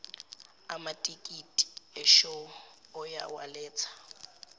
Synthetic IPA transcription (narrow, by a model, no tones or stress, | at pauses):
amatʼikʼitʼi̥ɛʃoːja̰wa̰leːt͡sʰḁ